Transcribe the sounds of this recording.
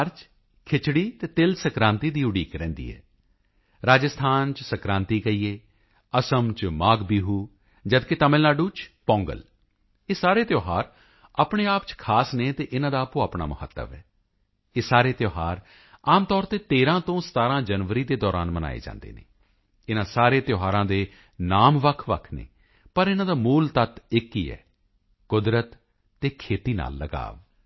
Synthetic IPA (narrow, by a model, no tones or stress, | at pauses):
ɾt͡ʃ | kʰɪt͡ʃɽiːt̪eːt̪ɪlsəkɾãːnt̪iːd̪iːʊɽiːkɾɛ̃ːnd̪ḭːɛ̰ː | ɾaːd͡ʒəst̪ʰaːnt͡ʃsəkɾãːnt̪iːkəiːeː | əsəmt͡ʃmaːɡbiːɦuː | d͡ʒəd̪ket̪əmɪlnaːɖuːt͡ʃpɔ̃ːŋɡə̰l | eːsaːɾeːt̪joːɦaːɾ | aːpɳeːaːpt͡ʃkʰaːsneːt̪eːʔɪnãːd̪aːpõːaːpɳa̰ːməhə̰t̪ːə̰ʋɛː | eːsaːɾeːt̪joːɦaːɾ | aːmt̪ɔːɾt̪eːt̪eːɾãːt̪õːsə̥t̪aːɾãːd͡ʒənʋəɾiːd̪eːd̪ɔːɾaːnməna̰ːḛːd͡ʒã̰ːnd̪ḛːnḛː | ɪnãːsaːɾeːt̪joːɦaːɾãːd̪eː | naːmʋəkʰʋə̰kʰnḛː | pəɾɪnãːd̪aːmuːlt̪ət̪ɪkːiːɛ̰ː | kʊd̪ɾət̪ː | eːkʰeːt̪iːna̰ːlːəɡa̰ːʋ